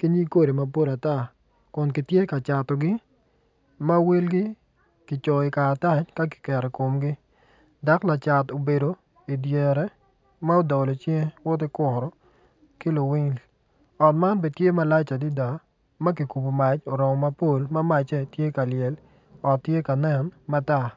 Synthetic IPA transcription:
ki˦ɲi˦ko˦ɾe˨ma˦po˦la˨ta˦˨ | kʊ˨nkɪ˨tje˦ka˨t͡ʃa˨tɔ˨ɡɪ˦ | ma˦we˦lɡɪ˦ | kɪ˨t͡ʃo˨ɪ˨kaː˨ta˦t͡ʃka˦kɪ̥˨kɛ˨ɾɛ˨ko˨mɡɪ˦ | da˨˦kla˨t͡ʃa˨to˨be˨do˨ | i˨dje˨ɾɛ˦ | ma˦o˦dɔ˨lɔ˨t͡ʃe˦ŋ˦wɔ˦t̬ɪ˦kʊ˨ɾɔ˦ | kɪ˦lo˨wɪ˦ŋl | ɔ˨tma˦nbe˨tje˦ma˨la˦t͡ʃa˨di˦da˨ | ma˦k̬i˨ku˨bu˨ma˨t͡ʃo˨ɾɔ˨mɔ˨ma˦po˦lma˦ma˨t͡ʃɛ˦˨tje˦ka˨ljɛ˨l | ɔ˨tːje˦ka˨nɛ˦nma˦ta˦˨

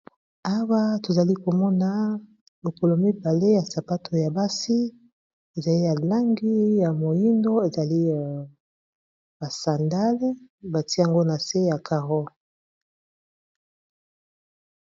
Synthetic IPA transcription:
a˦wa˦to˨za˨li˦ko˨mɔ˦na˨ | lo˨ko˨lo˨mi˦ba˨le˦ja˨sa˨pa˦tʰo˨ja˨ba˦si˦ | e˨za˨li˦ja˨la˦ŋɡi˦ja˨mo˨ji˦ndo˦e˨za˨li˦˨ | ba˨sa˨nda˦lba˨ti˦˨a˨ŋɡo˦na˨se˦ja˨ka˨ʁo˦

